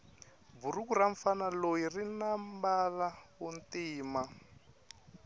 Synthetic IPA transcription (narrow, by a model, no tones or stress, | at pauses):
burukuɾaɱfanalojirinambalaβuntiːma